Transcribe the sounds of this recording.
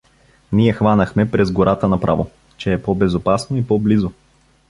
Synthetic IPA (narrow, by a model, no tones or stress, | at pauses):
niɛxvanəxmɛpɾɛzɡoɾʔat̪ənɐpɾʔavo | t͡ʃɛːpɔbɛzopasnoipɔblizo